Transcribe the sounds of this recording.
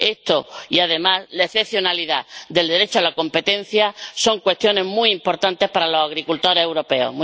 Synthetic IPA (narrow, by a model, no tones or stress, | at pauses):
e̞st̪o̞iaðe̞maslaeθe̞pθjo̞naliðad̪eld̪e̞ɾet͡ʃoalako̞mpe̞t̪ẽ̞n̟θjaso̞ŋkwe̞st̪jo̞neɦmuimpo̞ɾt̪ant̪e̞hpaɾalosaɣɾikult̪o̞ɾese̞wɾo̞pe̞o̰ɦm